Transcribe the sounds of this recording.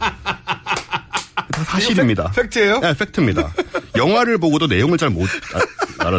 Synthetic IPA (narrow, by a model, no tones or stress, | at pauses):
tasʰaɕʰiɾimɲida̰fʰek̚tʰɯejoef͈ʰe̞k̚tʰɯmɲida̰jʌŋɦwaɾɯɭboɡodone̞joŋɯɭt͡ɕaɭmo | a̰ɾa